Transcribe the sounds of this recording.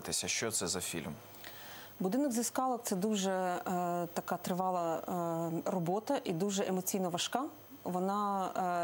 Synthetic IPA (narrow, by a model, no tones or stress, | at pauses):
t̪ɪsʲɐʃt͡ʃɔt̪sɛzɐfʲḭlʲm | bʊd̪ɪnɔɡzʲɐskɑlˠɔkt̪sɛd̪uʒɛ | t̪ɐkɑt̪ɾɪʋɑlˠɐ | rɔbɔt̪ɐʔid̪uʒɛʔemɔt͡sʲijnɐʋɐʃkɑ | ʋɔnɑ